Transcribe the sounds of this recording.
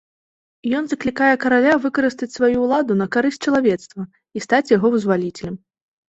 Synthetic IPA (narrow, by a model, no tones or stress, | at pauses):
jɔnzɐklʲikajɛkɐɾalʲavɨkɐɾɨst̪ɐt͡sʲsvajuːlˠad̪unɐkaɾɨsʲt͡ʂɐlˠavʲɛt̪st̪vɐ | ist̪at͡sʲjaɣɔvɨzvalʲit͡sʲɛlʲɛm